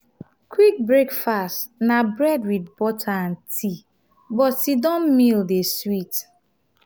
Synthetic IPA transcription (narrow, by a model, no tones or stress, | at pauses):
kwik̚bɹekfastnabɹɛdwidbɔtʰaãntʰi | bɔtsidɔ̃nmildeswit